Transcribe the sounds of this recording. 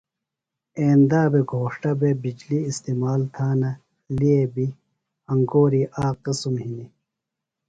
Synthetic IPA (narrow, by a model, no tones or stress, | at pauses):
eːnd̪aːbeɡʱoːʂʈɐbebid͡ʑliːst̪iːmaːlt̪ʰaːnɐ | liebi | ɐŋɡoːɾiʔaːqisumhini